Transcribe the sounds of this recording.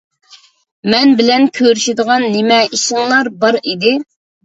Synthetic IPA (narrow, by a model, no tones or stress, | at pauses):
mɛnbɪlɛnkʲʰøɾyʃid̪əʁɑnːɪmɛiʃɪŋlˠɑɾbɑɾid̪ɪ